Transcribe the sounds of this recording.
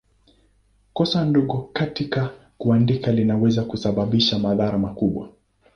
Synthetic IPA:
kɔsandɔɠɔkatika | kuandikalinawɛzakusaɓaɓiʃamaðaɾamakuɓwa̰

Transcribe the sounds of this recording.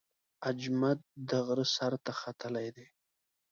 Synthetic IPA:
ad͡ʒmad̪̚d̪aɣɾəsaɾt̪axat̪əlajd̪e

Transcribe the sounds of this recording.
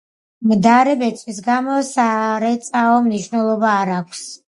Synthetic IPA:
md̪aɾɛbɛt̪sʼwis̬ɡamɔsaɾɛt̪sʼaɔmniʃwnɛlˠɔbaːɾakʷʰs

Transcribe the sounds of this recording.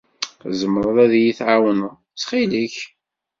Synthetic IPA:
zəmːɾˤəðˤæðjiθʕawənə | t͡sːχiliç

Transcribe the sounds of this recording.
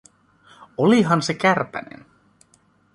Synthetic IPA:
oliɦɑnse̞kærpæ̰nḛn

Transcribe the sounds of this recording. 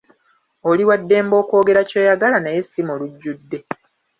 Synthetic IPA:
oliwadːe̞ːmbo̞ːko̞ːɡe̞ɾacoːjaɡalanaje̞simoluɟːudːe̞

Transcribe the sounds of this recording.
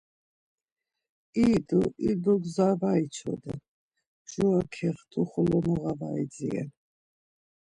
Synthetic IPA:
id̪uʔid̪uɡzavait͡ʃʰɔ̰d̪ɛ | ʒuakʰɛχt̪ʰuχɔlɔmɔʁavaidd͡ziɛ̰

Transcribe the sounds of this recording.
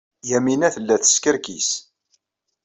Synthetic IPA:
jæminæθəlːæθə̥skəɾkis

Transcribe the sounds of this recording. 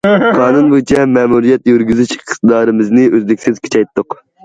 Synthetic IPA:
qʰɑːnunbojt͡ʃʰɛmɛːmuɾijɛt̪jyɾɡʲyzyʃqt̪ɨd̪ɑːɾɨmɪznɪʔøzd̪ɪkʲsɪz̥kʲʰe̥t͡ʃʰɛjt̪ʰːʊq

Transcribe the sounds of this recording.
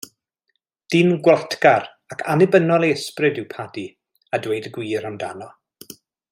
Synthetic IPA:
d̥iːnɡwatʰɡar | akʰanɪbənɔlˠeəsprɨdɪwpʰadi | adwejdɡwiːɾandanɔ

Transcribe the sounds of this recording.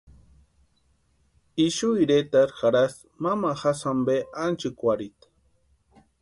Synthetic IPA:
iʃujɾet̪aɾxaɾas | mamaxasambeʔant͡ʃɨkʷaɾit̪

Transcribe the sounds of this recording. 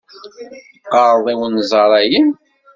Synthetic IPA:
qɑɾˤðˤiwənzˤɑɾˤæjən

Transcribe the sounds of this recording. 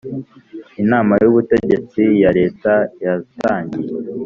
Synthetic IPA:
inaːmajuβute̞ɟe̞t͡sijaɾe̞ːtajataːɲɟije

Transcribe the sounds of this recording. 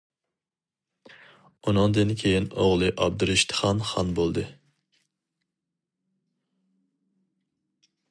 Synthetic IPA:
unɨŋd̪ɨnkʲʰejinoʁlˠɨʔɑb̚d̪uɾɪʃt̪ʰɨ̥χɑnχɑnbolˠd̪ɨ

